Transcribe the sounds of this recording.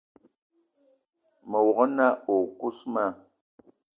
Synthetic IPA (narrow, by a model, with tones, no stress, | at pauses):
mə˨wɔ˨ɣɔ˦na˦o˨ku˦sma˦˨